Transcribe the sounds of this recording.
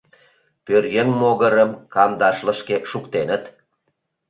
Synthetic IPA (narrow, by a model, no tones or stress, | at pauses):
pørjənmoɣəɾəmkɑmd̪ɑʃlə̆ʃkeʃukt̪enət̪